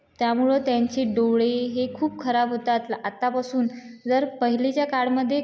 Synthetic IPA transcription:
t̪jamuɭət̪jaɲt͡ɕeɖoʋɭeɦekʰuːp̚kʰəɾabɦot̪at̪at̪apasuːnd͡zəɾpəɦilet͡ɕjakaɽməd̪ʱːje

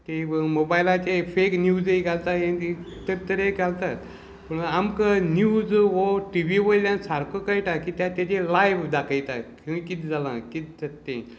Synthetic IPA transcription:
t̪emobajlat͡ɕefeknjud͡zeɡʱalt̪aẽi | t̪əɾt̪əɾeɡʱalt̪at̪ | pəɳamkənjuːd͡zʋoʈiʋiʋəjljãnsaɾkəkajʈakiːt̪jãt̪jat͡ɕelajʋd̪akʰəjt̪akʰẽĩkit̪d͡zalã̰kit̪̚d͡zat̪ːḛ̃

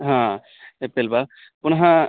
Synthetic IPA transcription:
ɦã | epelba | pʊnɦã

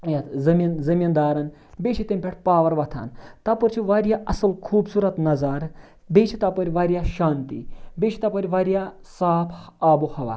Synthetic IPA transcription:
jɐt̪zɐminzɐmind̪aːɾɐn | beːt͡ʃʰit̪emʲpʲeʈʰpaːʋɐɾʋɐt̪ʰa̰ːnt̪ɐpuɾt͡ʃʰiʋaːɾijaːʔɐsɨlkʰuːbsuːɾɐt̪nɐzaɾ | beːt͡ʃʰit̪ɐpɐɾʲʋaːɾijaːʃaːnt̪ḭbeːt͡ʃʰit̪ɐpɐɾʲʋaːɾijaː | saːpʰaːbohɐʋa̰ː

